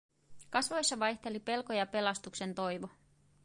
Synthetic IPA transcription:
kɑsʋo̞jsːɑʋɑjçt̪e̞lipe̞lko̞jɑpe̞lɑst̪ukse̞nt̪o̞jʋo

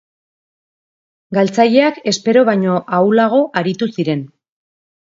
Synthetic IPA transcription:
ɡalt͡saʎe̞ake̞spe̞ɾo̞βajɲo̞ʔawlaɣ̞o̞ʔaɾit̪usiɾe̞n

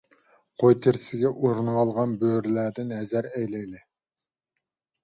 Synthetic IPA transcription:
qʰojt̪ʰɪɾsɪɡʲɛʔuɾnʁɑlˠʁɑnbøɾlæːd̪ɪnhɛzæɾɛjlɛjlɪ

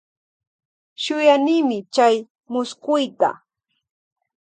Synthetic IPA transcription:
ʃʊjanɪːmɪt͡ʃaj | mʊskʊjt̪a̰

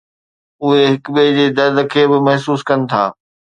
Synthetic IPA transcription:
ʊɦeɦɪkɓed͡ʑeːd̪ɐd̪ʱkʰeːbɪmɐɦsuːskɐnɪ̆t̪ʰa̰ː

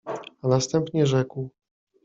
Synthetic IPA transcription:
anast̪ɛmpɲɛʐɛkw

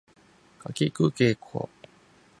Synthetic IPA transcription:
kakikɯkekʰo̰

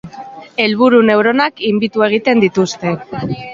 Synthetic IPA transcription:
e̞lβ̞uɾune̞wɾo̞nakimbit̪ue̞ɣ̞it̪e̞nd̪it̪ust̪e̞

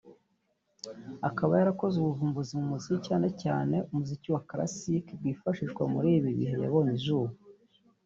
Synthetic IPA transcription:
akaβajaɾako̞zuβuvuːmbuzimumuzikicaːne̞ca̰ːne̞ʔumuziciwakɾa̰sikb̚ɡwiːfaʃiʒɡwamuɾiːiβiβḭɦe̞ja̰βo̞niʒuːβu

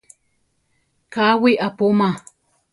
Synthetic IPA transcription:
kawiʔapʊma

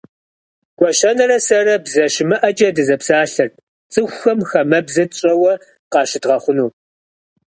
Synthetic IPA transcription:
ɡ̥ʷɔʃɐnɐrɐsɐrɐbzɐʃɪmɨʔɐt͡ʃʼɐdɨzɐpsaːɬɐr | t͡sʼɨxʷxɐmxɐmɐbzɐɕʼɐwɐ | qɑːʃɪdʁɐχʷʊnuː

